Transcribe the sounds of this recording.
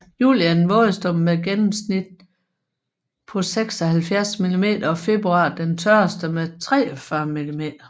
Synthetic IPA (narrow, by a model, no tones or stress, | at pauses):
jṵːljænʋɔːð̩ˠsd̥ɔmmeɡ̥enm̩snid̥̚ | pʰɒ̽seɡ̥sɒ̽hælfjæɐsmilime̝̰ːd̥ɐfe̝b̥ʁuɑ̈ːd̥ent͡sʰɶɐsd̥əmet͡sʰʁɛːɒfɶɐmilime̝̰ːd̥ɐ